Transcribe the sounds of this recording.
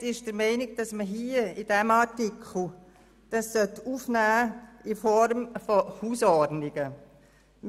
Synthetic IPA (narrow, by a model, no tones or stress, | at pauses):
ɪʃd̥əɾmɛɪnɪɡ̚d̥ɑsməɦiːəid̥ɛmɑɾtikʰl̩ | d̥ɑsːœtufnæːɪfɔɾmfɔhuːsɔdnɪɡ̥ə